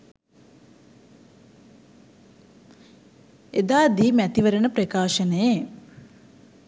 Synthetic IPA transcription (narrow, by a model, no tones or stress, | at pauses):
ed̪aːd̪iːmæt̪iʋəɾənəpɾəkaːʃənəje